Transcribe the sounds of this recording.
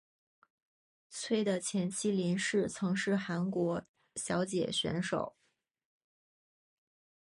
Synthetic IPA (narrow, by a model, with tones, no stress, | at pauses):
t͡sʰwe˥˩ɪd̪ə˨t͡ɕʰjɛ˧˥nt͡ɕʰi˥li˧˥nʂɻ̩˥˩t͡sʰɤ˧˥ŋʂɻ̩˥˩xa˧˥nkwɔ˧˥ | ɕjɑ˧˥ʊt͡ɕjɛ̰˨˩ɕɥɛ̰˧˥nʂo̰˨˩˦ʊ